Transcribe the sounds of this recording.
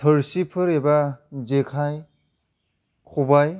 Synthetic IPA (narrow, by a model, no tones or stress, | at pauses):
tʰəɹsipʰɯɾɛbazekʰaj | kʰubaj